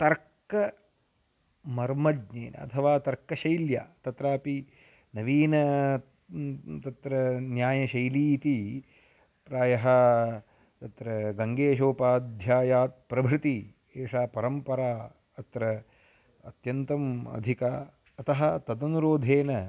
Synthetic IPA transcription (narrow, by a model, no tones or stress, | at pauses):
t̪ɐɾkɐ | mɐɾmɐd͡ʒɲeːnɐ̰ɐ̰t̪ʰɐʋaːt̪ɐɾkɐʃɐjlja̰ːt̪ɐt̪ɾaːpi | nɐʋiːnɐ | t̪ɐt̪ɾɐnjaːjɐʃɐjliːt̪i | pɾaːjɐɦɐ | t̪ɐt̪ɾɐɡɐŋɡeːʃoːpaːd̪ʱjaːjaːt̪̚pɾɐbʱɾɪt̪i | eːʂaːpɐɾɐmpɐɾaː | ɐt̪ɾɐ | ɐt̪jɐnt̪ɐmɐ̰d̪ʱikaː | ɐt̪ɐɦɐt̪ɐd̪ɐnuɾoːd̪ʱeːnɐ